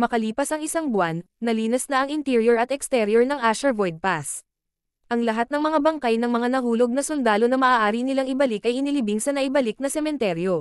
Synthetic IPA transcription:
mɐkɐliːpɐsɐŋʔɪsaŋbwanːɐliːnɛsnɐɐŋʔɪnt̪iɾjoɹɐt̪ɛkst̪ɛɾjoɹnɐŋʔaʃɐvojd̪̚pas | ʔɐŋlɐɦat̪nɐŋmɐŋabɐŋkajnɐŋmɐŋanɐhuːlo̞ɡ̚nɐsold̪aːlo̞nɐmɐʔaːʔaːɾinɪlaŋɪbɐlɪkʔɐjʔɪnɪlɪbiŋsɐnɐʔɪbɐlɪk̚nɐsɛmɛnt̪ɛɾjo̞

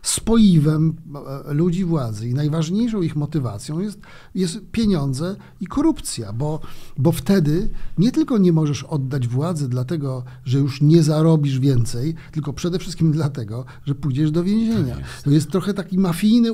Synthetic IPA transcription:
spɔjivɛmlud͡ʑivwad̪zɘinajvaʐɲejʂɔ̃w̃ixmɔt̪ɘvat̪sʲjɔ̃w̃jɛst̪ | jɛst̪pʲjeɲɔ̃nd̪zɛ | ikɔɾupt̪sʲjabɔbɔft̪ɛd̪ɘɲɛt̪ɘlkɔɲɛmɔʐɛʂɔd̪ːad͡ʑvwad̪zɛd̪lat̪ɛɡɔ | ʐɛjuʂɲɛzaɾɔbʲiʐvʲjɛnt̪sɛjt̪ɘlkɔpʂɛd̪ɛfʂɘst̪̚kʲimd̪lat̪ɛɡɔ | ʐɛpujd͡ʑɛʐd̪ɔvʲjẽw̃ʑeɲa̰t̪ɔjɛst̪ːɾɔxɛt̪akʲimafʲijnɘ

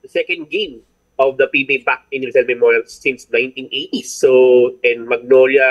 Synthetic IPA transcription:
sɛkɐ̃nd̪̚ɡẽm | ɔvd̪ɐpibibak̚ɪ̃nɾɪsɛlmɛmɔɹɐlsːɪ̃nsnãjnt̪ĩnʔet̪isoʔɛ̃nmɐɡ̚nolɐ

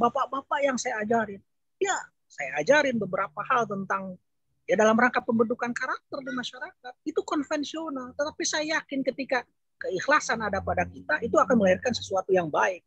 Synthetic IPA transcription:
bapaʔbapaʔjaŋsajaːd͡ʒaɾɪn | ja | sajaːd͡ʒaɾɪnbəbəɾapahalt̪ənt̪aŋ | jadalamɾaŋkapːəmbədukankaɾak̚t̪ərdamaʃaɾakat̪̚it̪ukɔnfɛnsionalt̪ət̪apisajajakɪnkət̪ika | kəixlasanadapadakit̪aʔit̪uakanməlaɦɪrkansə̥suat̪ujaŋbaɪk̚

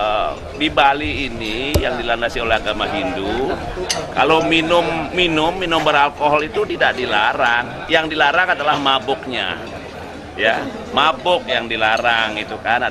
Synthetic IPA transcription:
dibaliːnijaŋdilandasiolɛɦaɡamaɦindu | ka̰lominʊmːinʊmːinʊmbəɾalkoɦɔlit̪ut̪idaʔdilaɾaŋ | jaŋdilaɾaŋadalahmabʊk̚ɲa̰ | ja | mabʊk̚jaŋdilaɾaŋit̪ukana

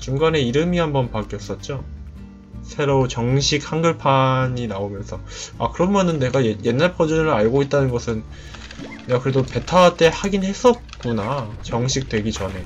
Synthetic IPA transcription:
t͡ɕuŋɡane̞iɾɯmiɦambʌnpak͈jʌs͈ʌt̚t͡ɕ͈o | sʰe̞ɾot͡ɕʌŋɕʰik̚haŋɡɯɭpʰaɲinaomjʌnsʰʌ | a̰kɯɾʌnmʌnɯnːe̞ɡajeje̞nːaɭpʰʌd͡ʑunɯɾaɭɡoit̚t͈anɯnɡʌsʰɯn | neɡakɯɾe̞dope̞tʰaat͈e̞haɡinhe̞s͈ʌt̚k͈unat͡ɕʌŋɕʰik̚t͈we̞ɡit͡ɕʌne̞

